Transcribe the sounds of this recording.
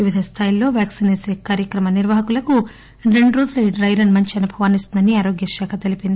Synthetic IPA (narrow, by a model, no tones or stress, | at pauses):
iʋid̪ʱɐst̪ʰaːjilo̞ːʋjaːksineːseːkaːɾjɐkɾɐmɐniɾʋaːɦɐkulɐku | ɾe̞ɳɖuɾoːd͡ʒulɐiɖɾɐjɾɐnmɐɲt͡ʃiɐnubʱɐʋaːnisind̪ɐniaːɾo̞ːɡjɐʃaːkʰɐt̪elipind̪ii